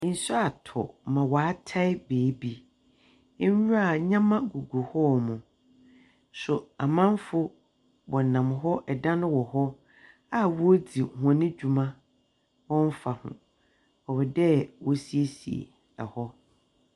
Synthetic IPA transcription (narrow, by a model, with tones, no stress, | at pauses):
n̩˦su˦a˨tʰɔ̰˨mã˨waː˨˦tʰa˦ɪ˦beː˨˦bi˦ | n˦u˦a˦˨ɲã˦mã˦ɡu˨ɡu˨hɔ˦mũ˨ | sʊ˨a˨mã˦m˦fʊ˦ | wɔ̃˨nã˨mɦɔ˦ʔɛ˨dã˦nʊ̃˦wɔ˨hɔ˦ | a˨wɔ˦o˦di˨hnɪ̃˦d͡ʑᶣu˨mã˦ | wɔ̃˦n̩˦fa˨hʊ̰̃˨ | ɔ˨bɛ˨dɛ˦wɔ˦si˦e˦sḭ˨ḛ˨ | a̰˨hɔ˦